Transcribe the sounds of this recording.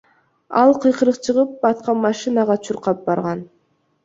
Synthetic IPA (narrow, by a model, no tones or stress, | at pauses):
ɑlˠqʰɯjqɯɾɯqt͡ʃʰɯʁɯp̚bɑt̪̚qɑnmɑʃinɑʁɑt͡ʃʰuɾqɑp̚bɑɾʁɑn